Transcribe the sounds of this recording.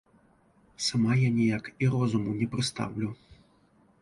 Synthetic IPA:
samajanʲɛjakiɾɔzumunʲɛpɾɨst̪a̰wlʲu

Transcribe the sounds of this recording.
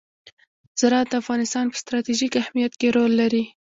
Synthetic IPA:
z̥aɾɑt̪̚d̪əafɣɑnɪst̪ɑnpə̥st̪ɾɑt̪iʒikahmijat̪keɾolːaɾi

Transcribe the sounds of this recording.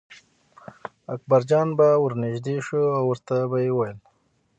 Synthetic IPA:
akbaɾd͡ʒɑnbawəɾnɪʒd̪eʃuawəɾt̪abajewajəl

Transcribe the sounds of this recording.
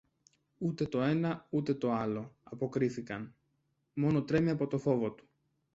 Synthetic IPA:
ut̪e̞t̪o̞e̞nɐut̪e̞t̪o̞ɐlo̞ɐpo̞kɾiθikɐn | mo̞no̞t̪ɾe̞miɐpo̞t̪o̞fo̞vo̞t̪u̥

